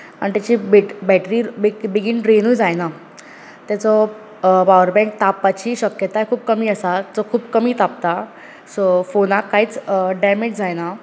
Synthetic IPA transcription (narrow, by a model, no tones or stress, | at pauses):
anit̪jat͡ɕiːbibɛʈɾiːbibiɡinʈɾenujd͡zajna | t̪jat͡sɔ | pawəɾbɛ̃ŋk̚t̪apːat͡ɕiːɕəkjət̪ajkʰuːb̚kəmiːəsat͡sɔkʰuːbkəmiːt̪ap̚t̪a | sofonakːaɦiːt͡sɖameʈd͡zajna